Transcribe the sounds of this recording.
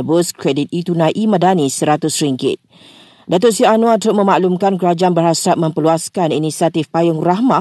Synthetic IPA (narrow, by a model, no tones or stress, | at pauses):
bʊskɾɛdit̪̚it̪unãʔimə̃danisəɾat̪ʊsɾiŋkɪ̰t̪̚ | dat̪ʊʔsianũat̪ɾʊʔmə̃maʔlumkankəɾad͡ʒaanbərhasap̚mə̃mpəluaskaninisiat̪ifpajʊŋrahma